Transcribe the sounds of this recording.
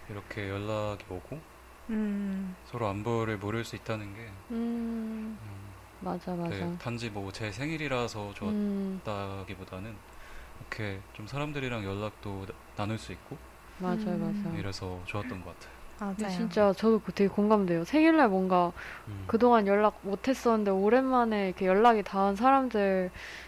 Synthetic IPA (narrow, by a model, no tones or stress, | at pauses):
iɾʌkʰe̞jʌɭːaɡiʌɡo | sʰʌɾoambʌɾɯɭmoɾjʌɭs͈uit̚t͈anɯnɡe̞ɯ | mad͡ʑamad͡ʑatand͡ʑimʌt͡ɕe̞sʰe̞ŋiɾiɾasʰʌt͡ɕoʌt͈aɡibodanɯn | ɾʌkʰe̞t͡ɕomsʰaɾamdɯɾiɾaŋjʌɭːak̚t͈o | nanuɭs͈uik̚k͈o | mad͡ʑajomad͡ʑajoiɾe̞sʰʌt͡ɕoʌt͈ʌnɡʌk͈atʰe̥joat͡ɕint͡ɕ͈at͡ɕʌdoktʰeɡekoŋɡamde̞josʰeŋiɭːaɭmwʌŋɡakɯdoŋanjʌɭːaɡ̚motʰe̞s͈ʌnɯnde̞oɾe̞nmane̞ikʰe̞jʌɭːaɡitaɦɯns̬ʰaɾamdɯɭ